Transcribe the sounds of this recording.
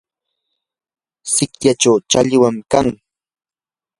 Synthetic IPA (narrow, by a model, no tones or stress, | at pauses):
sɪkjaʈ͡ʂawt͡ʃaʎɪwamkaŋ